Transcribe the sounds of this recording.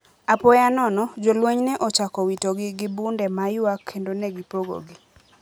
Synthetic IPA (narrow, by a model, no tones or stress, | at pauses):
apɔjanɔnɔd͡ʒolweɲnɛʔɔt͡ʃakɔwitoɡɪɡɪbundɛmajʊakʰːendonɛɡipoɡo̰ɡi